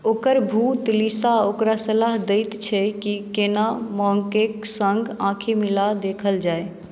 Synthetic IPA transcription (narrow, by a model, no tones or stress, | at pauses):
okəɾbʱut̪lisaokɾasəlaɦd̪eɪt̪t͡ʃʰɛkikenamɔŋkeksəŋɡãkʰimilad̪ekʰəld͡ʒae